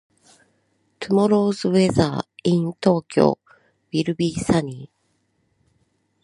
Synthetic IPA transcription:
t̪ʰɯ̟mo̞ɾo̞ːzɨβe̞za̰ːĩnt̪o̞ːkʲo̞̰ː | b̥ʲiɾɯ̟bʲiːsaɲ̟iː

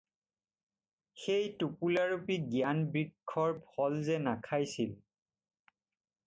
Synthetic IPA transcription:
xejtupulaɹupiɡijanbɹikʰːɔɹbʰʱɔlzɛnakʰajsil

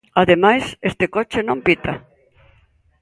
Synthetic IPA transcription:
aðemajsest̪ekot͡ʃenõmpit̪a

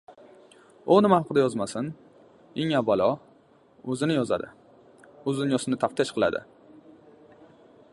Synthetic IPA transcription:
ʊnɪmahaqʰɨd̪ajɒzmasɪn | eŋabalɒ | ɵzɪnɪjɒza̰d̪ɪ | ɵzɪnɪjɒsɪnɪt̪ʰaft̪ʰɪʃqʰɨlˠa̰d̪ɪ̰

